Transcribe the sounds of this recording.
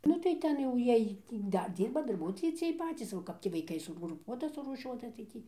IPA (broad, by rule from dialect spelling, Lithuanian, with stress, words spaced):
ˈnʊ tɐɪ ˈtʲɛn jɛʊ ˈjiɛj tʲiː ˈdɐr ˈdʲiːrbɐ dɐrˈbuɔtoːjɛɪ t͡sʲiɛj ˈpɑːt͡sʲiːs oː ˈkɐp tʲiː ʋɐɪˈkɐɪ sʊɡrʊˈpuɔtɐ sʊruːˈʃʲuɔtɐ tɐɪ ˈtʲiː